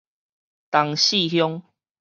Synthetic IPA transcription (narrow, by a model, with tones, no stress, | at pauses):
t̪a˨ŋɕi˥˨ɦjɔ˦ŋ